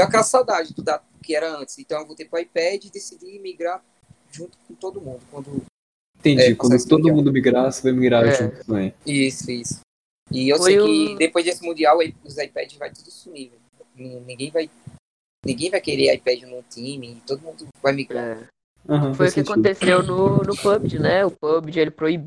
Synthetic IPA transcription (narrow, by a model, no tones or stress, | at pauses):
ɛakɛlɐsawd̪ad͡ʒɪd̪ʊd̪at̪ʊkɪɛɾɐɐ̃t͡ʃ̪ɪ̥zẽt̪ɐ̃w̃ewvowt̪epɾʊajpɛd͡ʒɪɪd̪esid͡ʒ̪imiɡɾa | ʒũt̪ʊ̥kõt̪od̪ʊmũnd̪ʊkwɐ̃nd̪ʊ | ĩt̪ẽɲd͡ʒɛikɐ̃d̪ʊt̪od̪ʊmũnd̪ʊmiɡɾasɪvajmiɡɾaʒũt̪ʊt̪ɐ̃mẽj̃isʊisʊ̥ | ɪewfoejkɪd̪epojzd̪esɪmũnd̪iawajʊzajpɛ̰d͡ʒɪvajt̪ed̪isũnivew | nĩnĩɡẽj̃vaj | nĩɡẽj̃vajkeɾea̰jpɛd͡ʒɪnũt̪ĩmiːt̪od̪ʊmũnd̪ʊvajmiɡɾa | ɐ̃ɦɐ̃fojʊukɪakõt̪esewnʊnʊpɐbd͡ʒɪnɛʊpɐbd͡ʒɪelɪpɾoib